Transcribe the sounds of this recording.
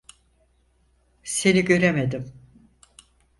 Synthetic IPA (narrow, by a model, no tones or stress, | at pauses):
se̞niɟø̞ɾemed̪im